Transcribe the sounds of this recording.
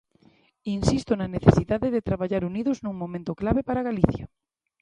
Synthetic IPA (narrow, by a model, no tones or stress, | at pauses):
insist̪onaneθesiðaðeðet̪ɾaβ̞aʎaɾuniðoznũŋmõmẽnt̪oklaβepaɾaɣaliθja